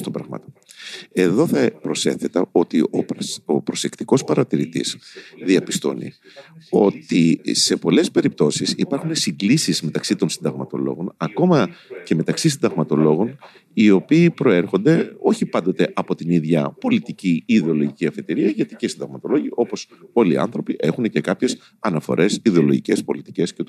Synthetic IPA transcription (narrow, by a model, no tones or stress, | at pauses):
st̪obɾɐ̰ɣmɐ̰t̪oe̞ðo̞θɐpɾo̞se̞̰θe̞t̪ɐo̞t̪ioo̞pɾo̞se̞kt̪iko̞spɐɾɐt̪iɾit̪ḭzðiɐpi̥st̪o̞̰nḭ | o̞t̪ise̞po̞le̞spe̞ɾip̚t̪o̞sisipɐɾxune̞siŋɡlisizme̞t̪ɐksit̪o̞nsind̪ɐɣmɐt̪o̞̰lo̞̰ɣo̞̰nɐko̞mɐce̞me̞t̪ɐksis̬ind̪ɐɣmɐt̪o̞lo̞ɣo̞n | io̞piːpɾo̞e̞ɾxo̞nd̪e̞o̞çipɐnd̪o̞t̪e̞ʔɐpo̞t̪iniðʝɐpo̞lit̪iciiːðeo̞loʝiciɐfe̞t̪iɾiɐʝɐt̪iceisind̪ɐɣmɐt̪o̞lo̞ʝio̞po̞s | o̞liɐ̰nθɾo̞piʔe̞xune̞ce̞kɐpçe̞s | ɐnɐfo̞̰ɾʔe̞siðeolo̞̰ʝice̞spo̞lit̪i̥ce̞sce